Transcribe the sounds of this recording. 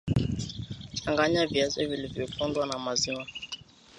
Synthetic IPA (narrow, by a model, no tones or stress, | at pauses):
t͡ʃaŋɡaɲavjazɛvilivjɔkʰɔndwanamaziwa